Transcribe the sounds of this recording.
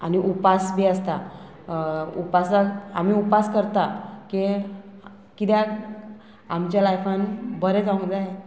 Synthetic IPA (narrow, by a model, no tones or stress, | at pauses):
a̰niʔupasbʱiəst̪a | upaslaamiupaskəɾt̪ake | kit̪ja | amt͡ɕjalajfʰanbəɾɛd͡zãŋd͡zaje